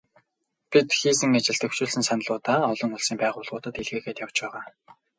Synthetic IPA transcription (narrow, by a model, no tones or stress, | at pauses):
pit̪xiːsɘ̆ŋat͡ɕɪ̆ɮt̪ɵw̥t͡ɕʊːɮsɘ̆nsan̆ɮʊːt̪aːɔɮɞ̆ŋʊɮsiːmpæːʁʊːɮʁʊːt̪ə̆t̪iɮɣeːxeːt̪jaw̥t͡ɕpæːʁaː